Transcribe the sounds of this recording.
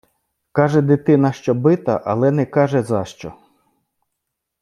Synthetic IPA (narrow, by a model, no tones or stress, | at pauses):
kɑʒɛd̪ɪt̪ɪnɐʃt͡ʃɔbɪt̪ɐ̰ʔɐlˠɛnɛkɑʒɛzɑʃt͡ʃɔ̰